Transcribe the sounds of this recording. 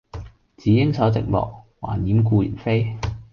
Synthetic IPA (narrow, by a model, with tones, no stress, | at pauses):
t͡siː˨˥jɪ˥ŋsɐ˨˥wt͡sɪ̰˨k̚mɔ̰ː˨˩k̚wa̰ː˨˩njiː˨˥mk̬uː˧jy̰˨˩nfe˥j